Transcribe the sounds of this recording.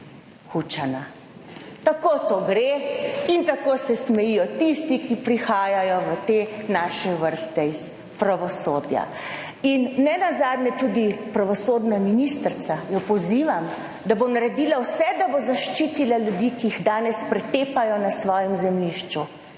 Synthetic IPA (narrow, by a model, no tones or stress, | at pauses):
xut͡ʃana | t̪akot̪oɡɾeint̪akosɛsmɛjijɔt̪ist̪ikipɾixaːjajɔʋət̪eːnaːʃɛʋəɾst̪ɛis | pɾaʋɔsoːd̪ja̰ | inːɛnazaːd̪nɛt̪ud̪ipɾaʋɔsoːd̪naminist̪ɾt̪sajɔpɔziːʋam | d̪abonaɾɛd̪iːlawsɛd̪abozaʃt͡ʃiːt̪ilaljud̪ikijiɣd̪aːnɛspɾɛt̪eːpajɔnasʋɔːjɛmzɛmliʃt͡ʃu